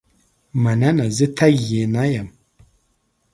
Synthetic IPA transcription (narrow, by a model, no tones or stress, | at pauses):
mananazɨt̪ʰajenajam